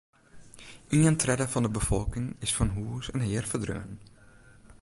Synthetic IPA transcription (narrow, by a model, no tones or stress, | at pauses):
ʔiəntrɛdəfɑndəbəfɔlˠkɪŋɪsfɑnɦuːsənɦɪːərfərdrø̰ːən